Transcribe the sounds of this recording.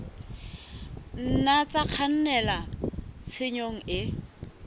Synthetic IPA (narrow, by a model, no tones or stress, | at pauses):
n̩nat͡sʼaq͡χʰan̩nɛlat͡sʰɪɲoŋ̩ɪ